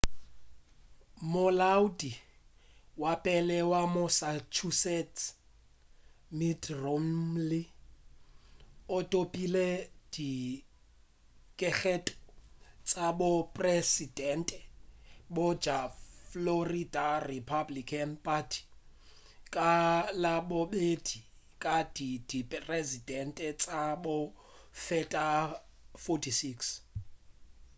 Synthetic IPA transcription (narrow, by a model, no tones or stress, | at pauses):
mʊlaudi | wapʼɛlɛwamʊsat͡ʃʰusɛt | midromlɪ | ʊtʼopʼilɛd̥i | kʼɛk͡xʰetʼɔ̥t͡sʼabʊpʼresidɛntʼɛbɔd͡ʒafloridaripʰablikʰanpʰʼatʰi̥ | kʼalaɓoɓed̥ʱi | kʼad̥id̥ipʼrezidʱɛntʼɛt͡sʼaɓʊ | fɛtʼa | fɔtʰisiks